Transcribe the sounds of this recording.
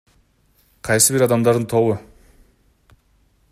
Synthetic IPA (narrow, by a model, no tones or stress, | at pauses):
qʰɑjsəbiɾɑd̪ɑmd̪ɑɾd̪ənt̪ʰo̞βʊ